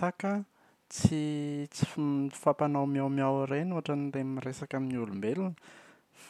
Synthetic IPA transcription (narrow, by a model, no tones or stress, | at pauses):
akə | t͡sit͡si̥fapanawmiawmiawɾenuɦaʈ͡ʂanilemiresakaminulumbelunə̥